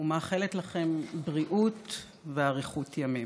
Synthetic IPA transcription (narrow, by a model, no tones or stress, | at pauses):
umaːχeletlaχe̞mbʁiʔut | veaʁiχutʰjamim